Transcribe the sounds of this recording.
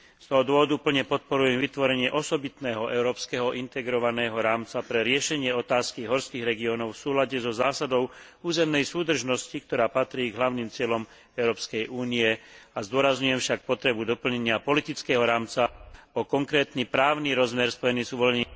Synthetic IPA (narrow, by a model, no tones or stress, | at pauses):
st̪ɔɦɔd̪ʊɔɦɔd̪upl̩ɲɛpɔt̪̚pɔɾujɛmʋit̪ʋɔɾɛɲɪɛʔɔsɔbit̪nɛːɦɔʔɛʊɾɔːpskɛɦɔʔint̪ɛɡɾɔʋanɛːɦɔɾaːmt͡sapɾɛɾɪɛʃɛɲɪɛɔt̪aːskiɦɔɾskiːɣɾɛɡiɔnɔʊfsuːlaɟɛzɔzaːsad̪ɔʊ | uːzɛmnɛjsuːd̪r̩ʒnɔscik̚t̪ɔɾaːpat̪ɾiːɡɦlaʊnimt͡sɪɛlɔm | ɛʊɾɔːpskɛjʔuːniɛazd̪ʊɔɾazɲujɛmfʃak̚pɔt̪ɾɛbud̪ɔpl̩ɲɛɲɪapɔlit̪it͡skɛːɦɔɾaːmt͡saɔkɔŋkɾɛːt̪nipɾaːʊniɾɔzmɛɾspɔjɛnizuʋɔlɲɛɲ